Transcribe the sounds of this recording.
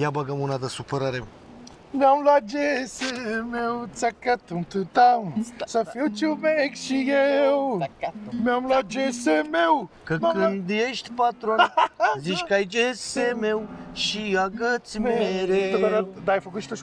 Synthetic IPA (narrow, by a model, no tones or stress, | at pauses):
jabaɡəmunad̪əsupəɾaɾḛ | meamlad͡ʒesemew̪t͡sakat̪unt̪ut̪amsəfiwt͡ʃimekʃijeew | meamlad͡ʒesemew | kəkɨnd̪jeʃt̪ʲpat̪ɾuonzit͡ʃkəajid͡ʒeseme̞wʃijaɡət̪smeɾead̪ad̪aːjfəkut̪ʃi̥t̪o